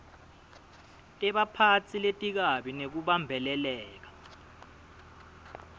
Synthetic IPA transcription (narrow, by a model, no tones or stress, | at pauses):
tʼɛɓapʰat͡sʰiletʼik̬aɓinek̬uɓambʱɛlɛlɛːk̬ḁ